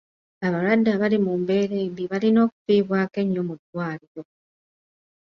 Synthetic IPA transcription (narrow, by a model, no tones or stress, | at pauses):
aβaɾwadːaβalimumbe̞ːɾeːmbiβalino̞ːku̥fiːβwaːke̞ɲːomudwaːlijo̞